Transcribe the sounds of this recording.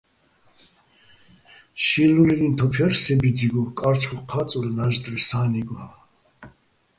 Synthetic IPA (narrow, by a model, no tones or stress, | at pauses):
ʃiːlulinint̪ʰɔpʰɛrsɛbid͡ziɡɔkʼaɾt͡ʃχuχqʰat͡sʼulɛnaʒd̪ɾɛsaːniɡaa